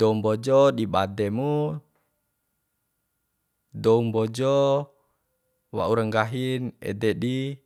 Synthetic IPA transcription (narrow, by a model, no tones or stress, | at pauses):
dɔumbɔd͡ʒɔdibadɛmu | dɔumbɔd͡ʒɔ | wa̰uɾəŋɡaɦinɛ̰dɛdi